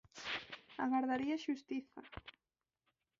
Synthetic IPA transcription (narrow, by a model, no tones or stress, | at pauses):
a̰ɣaɾðaɾiaʃust̪iθa̰